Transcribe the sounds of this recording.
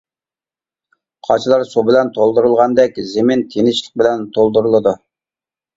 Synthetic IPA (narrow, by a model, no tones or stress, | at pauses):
qʰɑt͡ʃʰlˠɑɾsubɪlɛnt̪ʰolˠd̪uɾulˠʁɑnd̪ɛkʲzemɪnt̪ʰenɪʃlˠəq̚bɪlɛnt̪ʰolˠd̪uɾulˠɨd̪u